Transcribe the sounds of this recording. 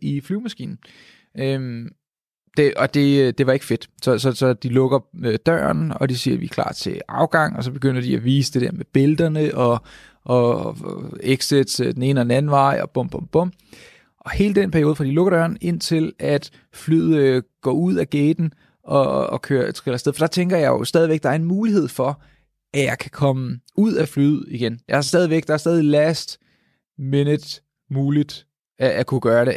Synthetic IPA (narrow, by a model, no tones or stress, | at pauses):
iflyʊmæsɡ̥ḭːnn̩ | øm | d̥eʔɒ̽d̥e̝d̥e̝ʋɑ̈e̝ɡ̥əfe̝d̥sɒ̽sɒ̽sɒ̽d̥ilɔ̽ɡ̥ɐød̥ɶːɐnɒ̽d̥isiːɐʋḭkʰl̥ɑ̰̈ːt͡sʰe̝ɑ̈ʊɡ̥ɑ̈ŋ̰ɒ̽sɒ̽b̥e̝ɡ̥øn̰ɐd̥iæʋiːsəd̥e̝d̥ɛɐmeb̥e̝ld̥ɐnəʔɒ | ʔɒ | eɡ̥sed̥sd̥ene̝ːnəɒ̽denæn̩ʋɑ̈ɪ̰ɒ̽b̥ɔ̽m̰b̥ɔmb̥ɔ̽m̰ | ʔɒ̽he̝ːləd̥enpʰæɐjo̝ːðˠfʁɑ̈d̥iloɡ̥əɾ̥ɶɐne̝n̰t͡sʰe̝læd̥ | flyð̰ˠɡ̥ɒ̰ːuð̰ˠæɡ̥eːd̥n̩ | ʔɒ̽kʰøːt͡sʰʁelɐsd̥eðˠfɒ̽d̥ɑ̈t͡sʰeŋɡ̥ɐjɑ̈ɪjosd̥ɛːð̞ˠiʋeɡ̥̚d̥ɑ̈æɐe̝nmuːliɦe̝ð̞̰ˠfɒ̽ | ʔæjɑ̈ɪkʰækʰɒ̽məuð̰ˠæflyðð̩̰ˠiɡ̥enjɑ̈hɑ̈sd̥ɛːð̞ˠiʋeɡ̥ɑ̈hɑ̈sd̥ɛːð̞ˠilæsd̥ | menəd̥ˠ | muːlid̥ | æækʰuɡ̥ɶːɐɾe̝